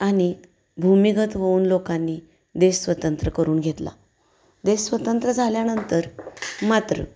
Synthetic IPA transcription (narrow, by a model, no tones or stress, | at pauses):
aɽ̃i | bʱumiɡət̪ʋəuːnlokanːiː | d̪eɕsʋət̪ənt̪ɾəkəɾuːnɡʱet̪la̰ | d̪essʋət̪ənt̪ɾəd͡zʱaljanənt̪əɾmat̪ɾə̰